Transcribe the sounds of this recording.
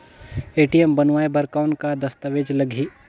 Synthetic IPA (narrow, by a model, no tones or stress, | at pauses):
eːʈijembɐnʋaːebɐɾkaʊnkad̪ɐst̪aʋeːd͡ʒlɐɡʱiː